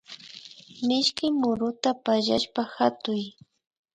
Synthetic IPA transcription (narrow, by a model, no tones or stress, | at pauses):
mɪʃkɪmʊɾʊt̪apaʒaʃpaxat̪ʊj